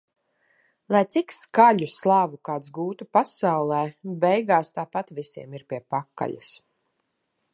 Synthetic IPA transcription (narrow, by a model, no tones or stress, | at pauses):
lˠajt̪sikskaʎuslˠaːvukaːt̪sɡuːt̪upasawlˠɛːbɛjɡaːst̪aːpat̪visiɛmiɾpiɛpakːa̰ʎa̰s